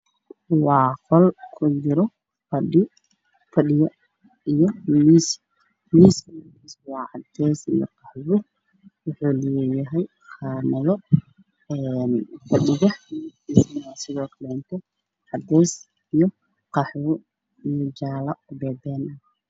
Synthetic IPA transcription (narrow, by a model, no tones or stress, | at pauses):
wɑːqʰɔlkʰʊt͡ʃɪɾɔ | fɐɗɪ | fɐɗɪjɐ | ijɔmis | miːsmiːswɑːʕɑd̪ɛːsḭjɔ̰qɑħwʊ | wʊħuːlɛːjɐɦɛj | qʰɑːmɐðɔ | ɛnfɐɗɪɣɐħʰisnasɪðɔːkʰɐlɛnt̪ʰɔ | ʕɑd̪ɛːs | ijɔ | qɑħwʊ | ijɔd͡ʒaːlɐʊbɛːd̪ɛːnɐ